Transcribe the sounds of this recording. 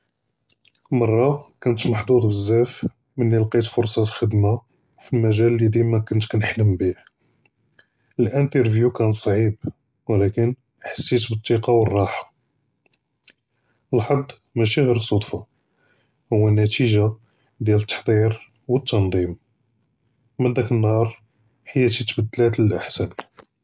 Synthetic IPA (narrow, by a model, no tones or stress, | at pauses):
mɑrˤːɑkænət̪mɑħd̪ˤud̪ˤbəzːæf | mənːilqit̪fʊɾsˤɑxəd̪ma | filmæʒællːid̪imækʊnt̪knəħləmbih | əlʔənt̪əɾvjukænt̪sˤʕib | wlækən | ħḁsːit̪bət̪ˤːiqɑwərˤːɑħḁ | əlħɑd̪ˤː | mæʃiɣiɾsˤod̪ˤfa | hʊwːænæt̪iʒa | d̪jælət̪ːɑ̥ħd̪ˤiɾ | wət̪ːɑnd̪ˤim | mænd̪ækənːhɑɾˤ | ħəjːæt̪it̪bəd̪ːlæt̪ləlʔəħsæn